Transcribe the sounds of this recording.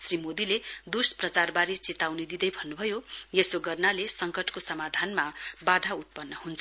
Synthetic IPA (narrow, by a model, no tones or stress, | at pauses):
srimod̪iled̪usprʌt͡sarbaɾit͡set̪awned̪id̪ʌjbʱʌnːubʱʌjojesoɡʌrnalesʌŋkʌʈʰkosʌmad̪ʱanmabad̪ʱaut̪̚pʌnːʌhunt͡sʰ